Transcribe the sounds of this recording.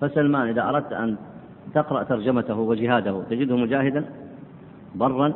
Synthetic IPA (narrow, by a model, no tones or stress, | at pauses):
fasalmaːnʔɪðaʔɑɾˤɑd̪̚t̪ʔa̰n | t̪ɪqɾˤɑʔt̪ɑɾˤd͡ʒamat̪ahwɪd͡ʒɪɦaːd̪ahut̪ad͡ʒɪd̪hmʊd͡ʒaːhɪd̪an | bɑrˤːɑn